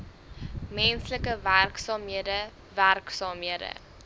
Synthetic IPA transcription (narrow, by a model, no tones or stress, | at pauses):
mɛnsləkəværksɑːmɦiədə | værksɑːmɦiədə̰